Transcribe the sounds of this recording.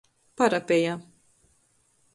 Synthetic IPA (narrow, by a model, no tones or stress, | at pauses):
paɾapʲɛja